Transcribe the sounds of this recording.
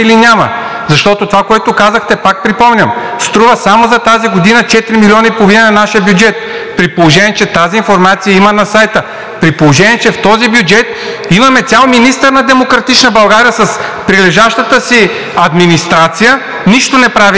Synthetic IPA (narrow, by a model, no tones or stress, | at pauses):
ilinʲamɐ̰ | zɐʃt̪ɔt̪ot̪ovakoɛt̪okazəxt̪ɛpak̚pɾipɔmnʲɐm | st̪ɾuvəsamozɐt̪aziɡod̪inət͡ʃɛt̪ɾimiliɔnɐipoovinɛnɐnaʃijəbjud͡ʒɛt̪̚ | pɾipolˠoʒɛnʲiɛt͡ʃɛt̪aziːnfoɾmat̪sijəimɐnɐsajt̪ə | pɾipolˠoʒɛnʲiɛt͡ʃɛft̪ɔzibjʊd͡ʒɛt̪̚ | imɐmɛt̪sʲalˠminist̪əɾnɐd̪ɛmokɾɐt̪it͡ʃnəbɐlˠɡaɾijəsɐspɾilɛʒaʃt̪ət̪əsi | ɐd̪minist̪ɾat̪sijə | niʃt̪onɛpɾavi